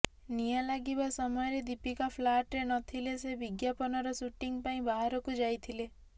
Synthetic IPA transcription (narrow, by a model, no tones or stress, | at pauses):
nijalaɡibasɔmɔjɔɾed̪ipikapʰlaʈɾenɔt̪ʰilesebiɡjapɔnɔɾɔsuʈiŋpaĩbaɦaɾɔkud͡ʒajt̪ʰile